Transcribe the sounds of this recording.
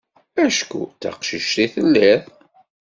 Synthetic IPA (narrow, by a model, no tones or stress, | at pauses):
æʃkṵt͡sa̰qʃiʃt̪iθəlːæθ